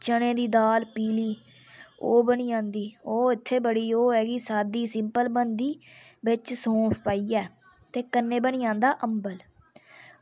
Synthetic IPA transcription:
t͡ʃəɽ̃ẽːd̪iːd̪aːlpiːliː | oːbəniːãːnd̪iːoːɪt̪ʰːeːbəɽiːoːɛːɡisaːd̪iːsɪmpəlbənd̪iː | bɪt͡ʃsõːpʰpaːiːɛː | t̪eːkənːẽːbəniːãːnd̪aːʔəmbəl

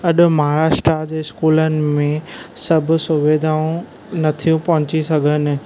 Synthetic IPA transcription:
ɐɗʊ̆maɦɾaːʃʈɾad͡ʑeːɪskuːlənɪ̆mẽsɐbʱʊ̆sʊʋeːd̪ʱaːũ | nɐt̪ʰijũpɐɦʊ̃t͡ɕisɐɡʱənɪ̆

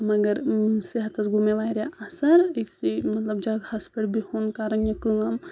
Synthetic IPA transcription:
mɐɡɐɾsiɦɐt̪ɐsɡʱumeʋaːiɾeʔasɐɾeksimɐt̪lɐbd͡ʒaːɡhɐspɐɽbʱihonkaːɾɐnjɐkɨɐm

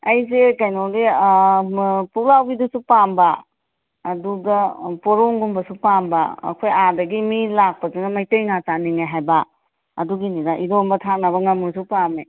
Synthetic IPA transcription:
ɐjzekajnoɡe | puklawbidusupambaː | duɡɐpɔɾoŋɡumbɐsupamba̰ːkʰojadɐɡimilak̚pɐzunɐmajtejŋat͡ʃaniŋajɦajba | ɐduɡinidaʔiɾombɐtʰak̚nɐβɐŋamusupame

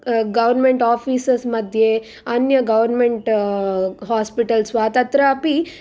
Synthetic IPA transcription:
ɡɐʋɐɾnmeɳʈaːpʰiːsɐsmɐd̪ʱje | ɐnjɐɡɐʋɐɾnmeɳʈ | ɦaːspiʈɐlsʋaːt̪ɐnt̪ɾaɐpi

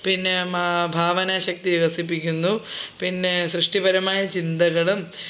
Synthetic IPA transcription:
pinːemabʱaːʋɐnaɕɐk̚t̪iʋiʋɐsip̬ːikʲːunːupinːeɕɾɨʂʈibɐɾɐmaːjɐt͡ɕind̪ɐɣɐɭum

